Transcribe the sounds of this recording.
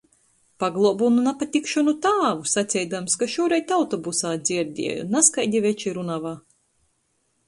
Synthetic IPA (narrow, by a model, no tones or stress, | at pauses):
paɡlˠɔbununapat̪ʲikʃɔnut̪aːvusat̪sʲɛjd̪amskaʃuɔɾɛjt̪awt̪ɔbusaːd̪z̥ʲiɾd̪ʲḭɛ̰jṵnaskajd̪ʲivʲɛt͡ʃiɾunavaː